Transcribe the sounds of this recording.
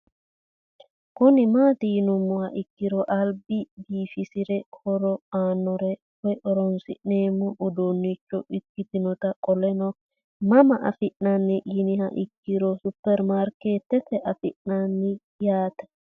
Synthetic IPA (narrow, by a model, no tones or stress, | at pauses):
kʊnɪmaːt̪ɪnʊmːɔhɐʔɪkːɪɾɔʔɐlbɪbiːfɪsɪɾɛkʰɔɾɔaːnːɔɾɛ | wɔjʔɔɾɔnsɪ̰ʔneːmːɔʔːd̪onːɪt͡ʃːɔʔɪkːɪt̪ɪnɔt̪ɐkʼɔlɛnɔ | mɐmɐʔɐ̰fɪʔnɐnːɪɡɪnɪhɐ̰ʔɪkːɪɾɔsʊpːɛɾmaɾkeːt̪ːɛtɛʔɐfɪʔnanːɪ | jaːt̪ɐ̥